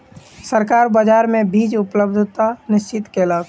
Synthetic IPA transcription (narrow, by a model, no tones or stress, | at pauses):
səɾkaɾbəd͡ʒaɾmẽbʱid͡ʒʊpləbd̪ʱt̪anɪst͡ʃɪt̪keləɡ